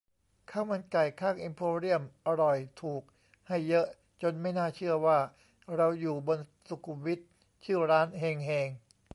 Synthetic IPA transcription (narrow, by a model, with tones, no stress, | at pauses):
kʰaː˥˩wma˧nka˨˩jkʰaː˥˩ŋʔi˧mpʰoː˧ɾi˥˩əmʔa˧ɾɔ˨˩jt̪ʰuː˨˩k̚ | ha˥˩jːɤ˦˥ʔ | t͡ɕo˧nma˥˩jnaː˥˩t͡ɕʰɯ˥˩ɐwaː˥˩ | ɾa˧wjuː˨˩bo˧nsu˨˩kʰːu˧wi˦˥t̪̚ | t͡ɕʰɯː˥˩ɾaː˦˥nɦeː˧ŋɦeː˧ŋ